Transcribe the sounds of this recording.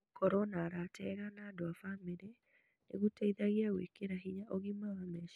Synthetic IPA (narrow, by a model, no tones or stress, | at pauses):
kɔɾɔnaːɾatʰɛɣanaːdoafameɾɛ | nḛɣutɛiðaɣiawḛkeɾaɦiɲaʔoɣimawamɛʃ